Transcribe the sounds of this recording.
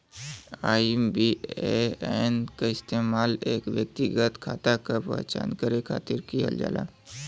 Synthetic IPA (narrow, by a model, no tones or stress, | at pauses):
aːibieenkaɪst̪eːmaːleːkʋjək̚t̪iɡət̪kʰaːt̪akapə̰ɦt͡ʃa̰ːnkəɾekʰa̰ːt̪ɪɾkijə̰ld͡ʒa̰ːla̰ː